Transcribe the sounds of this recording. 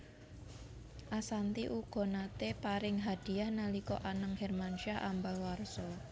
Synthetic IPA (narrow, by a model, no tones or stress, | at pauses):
ʔasant̪iʔuɡ̥ɔ̤nat̪epaɾɪŋɦad̪̥i̤ahnalikɔʔanəŋhɛrmanʃaʔambalwarsɔ